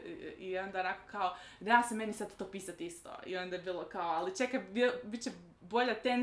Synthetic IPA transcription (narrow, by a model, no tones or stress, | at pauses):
io̞nd̪aonakokaojjaːsemenjisad̪t̪t̪oːpiːsat̪ist̪o̰ḭo̞nd̪ajebiːlˠokaoalˠit͡ʃekabibit̪t͡ɕe | bo̞ʎat̪en